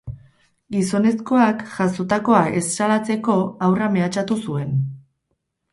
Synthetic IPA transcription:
ɡiso̞ne̞sko̞akʝasot̪ako̞aʔe̞sːalat͡se̞ko̞awrame̞at͡ʃat̪usue̞n

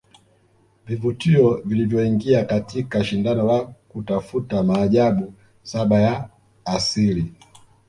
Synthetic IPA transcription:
vivutiɔvilivjɔiŋɡiakatʰikaʃindanɔwakutafutamaːʄaɓu | saɓajaː | sili

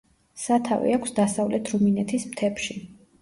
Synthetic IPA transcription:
sat̪ʰavḭakʰsd̪asavlɛt̪ʰɾɔminɛt̪ʰismt̪ʰɛpʃi

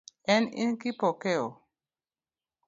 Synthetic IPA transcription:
ɛnḭnkipɔkɛɔ

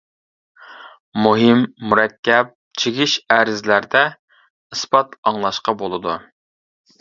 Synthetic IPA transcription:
muɦɨmːuɾɛkʲːɛp̚t͡ʃʰeɡʲiʃæɾɪzlæɾd̪ɛ | ɨsbɑt̪ɑŋlˠɑʃqɑbolˠɨd̪u

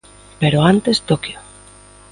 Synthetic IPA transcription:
peɾoant̪est̪okjo

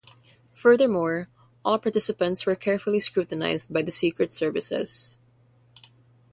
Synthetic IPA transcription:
fɜ˞ðə˞mɔɹ | ʔɔːlˠpaɹt̪ɪsɨpə̃ntswə˞kʰɛɹfʊlˠiskɹuːt̪əna̰ɪzd̚bajd̪ɐsikɹɛtsɛɹvɪsɪ̰z̥

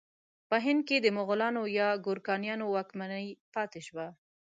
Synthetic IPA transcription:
pəɦɪnd̪̚ked̪əmʊɣʊlɑnojɑɡʊɾkɑnjɑnowɑkmanəjpɑt̪eʃwa

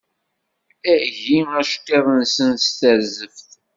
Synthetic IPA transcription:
æʝiæʃtːeðˤənsənst̪æɾzəfθ

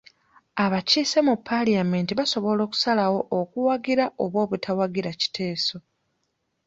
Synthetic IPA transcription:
aβaciːsemupʰːaliame̞ntiβaso̞βo̞lo̞ːku̥salawo̞ʔːkuwaɡiɾaʔoβwo̞ːβutʰawaɡiɾaci̥tʰe̞ːso̞

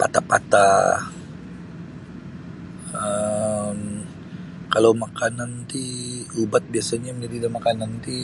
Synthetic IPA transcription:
pa̰t̪apa̰t̪a̰ | əm | kalawmakanant̪iubat̪̚biasaɲaməd͡ʒadidamakanant̪i

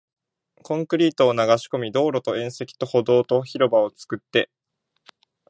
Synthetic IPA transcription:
kõ̞ŋkɯ̟ɾʲiːt̪o̞ːnaɡaɕi̥ko̞mʲid̪o̞ːɾo̞t̪o̞ẽ̞ɰ̃se̞kʲi̥t̪o̞ho̞d̪o̞ːt̪o̞çiɾo̞bao̞t͡sɨ̥kɯ̟t̪ːe̞

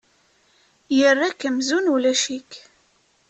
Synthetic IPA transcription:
jərːækːəmzunulæʃik

